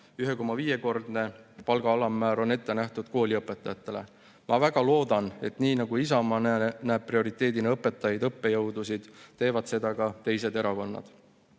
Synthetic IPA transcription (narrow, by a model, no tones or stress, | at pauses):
yɦe̞ko̞mːɑviːje̞ko̞rd̪ne̞pɑlɡ̥ɑɑlɑmːæːɾo̞ne̞t̪ːe̞næht̪ud̪̥ko̞ːlʲiɤpːˑe̞t̪ːˑɑjɑt̪ːˑe̞le̞̰ | mɑvæɡ̥ɑlo̞ːd̪ɑne̞̰t̪niːnɑɡuisɑmɑnnæːb̥̚prio̞ɾit̪ːˑe̞ːd̪ineɤpːˑe̞t̪ːˑɑjɑjd̪ɤpːe̞jɤwd̪usid̪̥t̪ːe̞ːvɑd̪̥se̞d̪̥ɑkɑt̪e̞jse̞d̪e̞ɾɑko̞nːɑ̰d̪̥